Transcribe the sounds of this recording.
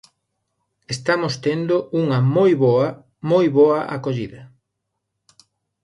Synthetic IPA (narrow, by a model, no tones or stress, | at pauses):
est̪amost̪end̪ouŋɐmojβoɐ | mojβoɐʔa̰koʎiðɐ